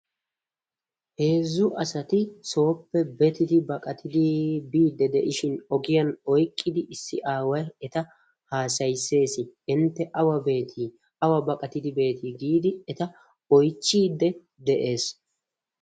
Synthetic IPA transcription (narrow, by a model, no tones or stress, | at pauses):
he̞ːzːʊʔɐsɐt̪ɪso̞ːpːɛbɛt̪ɪd̪ɪbɐkʼɐt̪ʰɪd̪ɪbiːd̪ːɛd̪ɛʔɪʃɪnɔɡɪjɐnɔjkʼːɪd̪ɪʔɪsːɪʔaːwɐjɛt̪ɐ | haːsɐjsːe̞ːsɪɪnt̪ːɛʔɐwɐbe̞ːt̪ʰi | ɐwɐbɐkʼɐt̪ɪd̪ɪbe̞ːt̪ʰiːɡiːd̪ɪɛt̪ɐ | ɔjt͡ʃːiːd̪ːɛ | d̪ɛʔe̞ːs